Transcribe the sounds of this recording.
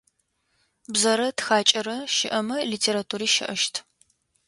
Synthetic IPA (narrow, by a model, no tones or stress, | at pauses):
bzɐɾɐtxaːt͡ʃʼɐɾɐʃɪʔɐmɐliːtʰeːɾatʰuːɾiːʃɪ̰ʔɐʃtʰ